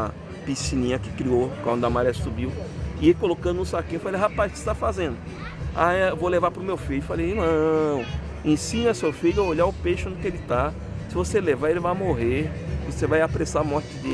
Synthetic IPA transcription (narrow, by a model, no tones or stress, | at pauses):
pisinĩɲɐkɪ̥kɾiokwɐ̃d̪ʊɐmaɾiɐsubiwɪekolokɐ̃d̪ʊnʊ̃sakefalejɦapajskɪ̥st̪afazẽnd̪ʊ | aewvolevapɾʊmewfiʎʊɪfalejnɐ̃w̃ | ẽsĩnɐsefiʎʊeoʎaʊpeʃʊõd̪ʊkɪelɪt̪a | sɪvoselevaelɪvajmoɦevosevajapɾesamɔɾt͡ʃɪd̪e